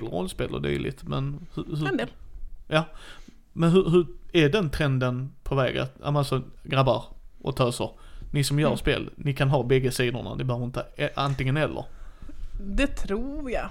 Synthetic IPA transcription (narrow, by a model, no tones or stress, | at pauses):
lɾɔ̰lːspeːlə̰d̪y̰ːlɪ̰t̪mɛnhɵhɵ | jɑː | mɛnɦɵɦɵæɖɛnt̪ʰɾɛnd̪ənpʰɔvɛ̰ːɡa̰t̪ʔa̰mɛnalsɔɡɾabːaɾʔɔ̰t̪ʰœːsəɾnɪsɔmjœ̰ːɾspḛːlnɪkʰanɦɑːbɛɡːəsiːd̪ʊ̰ɳa̰nɪbəhœːvəɾɪnt̪əɛʔant̪ɪŋːənhɛlːʔə̰ɾ | d̪ɛt̪ʰɾuːjɑ